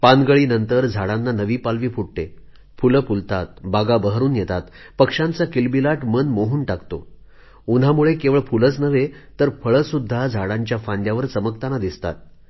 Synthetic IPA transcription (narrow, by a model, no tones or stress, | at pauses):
panɡəɭiːnənt̪əɾd͡zʱaɽanːanəʋiːpalʋiːpuɽʈe | fuləpult̪at̪̚baɡabəɦəɾuːnjet̪at̪ | pəkʂãnt͡sakilbilaʈmənmoɦuːnʈakt̪o | un̤amuɭekeʋəɭfulət͡snəʋet̪əɾfəɭəsud̪ʱːad͡zʱaɽaɲt͡ɕjafand̪jaʋəɾt͡səməkt̪anad̪ist̪a̰t̪̚